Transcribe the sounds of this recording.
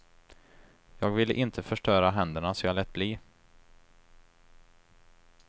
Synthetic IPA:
jɑːɡvɪlːəʔɪnt̪ʰəfœʂʈœːɾaɦɛnd̪əɳasɔjaːlɛt̪̚ːbliː

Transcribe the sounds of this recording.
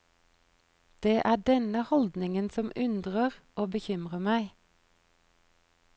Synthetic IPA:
d̪̥eːʔæːɖɛnəhɔld̪nɪŋənsɔmʉnd̪ʁəʁʔoːbəçʏmʁəmæɪ

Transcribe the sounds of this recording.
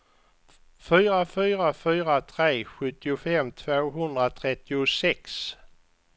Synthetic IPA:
fyːɾafyːɾafyːɾat̪ʰɾeːɧɵt̪ːɪʊfɛmːt̪ʰvoːɦɵnd̪ɾat̪ʰɾɛt̪ːɪʊsɛks

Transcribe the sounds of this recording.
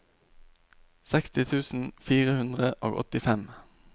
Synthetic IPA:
sɛkst̪ɪt̪ʰʉːsn̩fiːʁəhʉnd̪ʁəʔo̰ːɡɔ̰t̪ɪfɛm

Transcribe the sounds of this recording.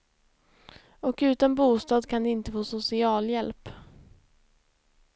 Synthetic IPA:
ɔkʉ̟ːt̪anbuːst̪ɑːd̪kʰand̪ɛɪnt̪əfoːsʊsɪɑːljɛlp

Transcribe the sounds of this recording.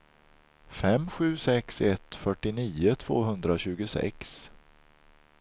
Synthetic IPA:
fɛmɧʉ̟ːsɛksɛt̪fœʈːɪniːʊt̪ʰv̥o̰ːɦɵnd̪ɾaɕʉ̟ːɡʊsɛ̰ks

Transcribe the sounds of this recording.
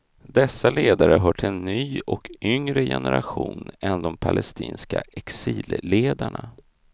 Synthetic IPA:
d̪ɛsːaleːd̪aɾəɦœːʈʰɪɛnːyːɔkʰʏŋɾəjɛ̰nʔɛɾaɧuːnɛnd̪ɔmpʰalʔɛst̪iːnskaɛksiːlleːd̪aɳa

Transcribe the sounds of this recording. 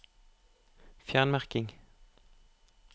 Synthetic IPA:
fjæʁnmæʁkɪŋ

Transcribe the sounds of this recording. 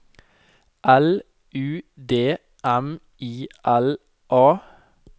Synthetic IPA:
ʔæl | ʔʉːd̪eː | ʔæm | ʔiːʔæl | ʔɑː

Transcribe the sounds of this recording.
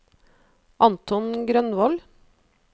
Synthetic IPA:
ʔɑnt̪ɔnɡɾœnʋɔl

